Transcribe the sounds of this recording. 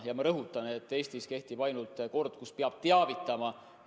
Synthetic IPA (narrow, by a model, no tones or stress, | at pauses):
jɑmeɾɤɦut̪ˑːɑneet̪ːˑe̞ːst̪iske̞ht̪ib̥ɑjnult̪ːˑko̞rd̪̥̚kuspeɑb̥̚t̪eɑvit̪ːˑɑmɑ